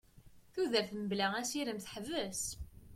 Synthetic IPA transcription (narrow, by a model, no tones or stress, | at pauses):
θuðəɾθməblææsiɾəmθħəvəs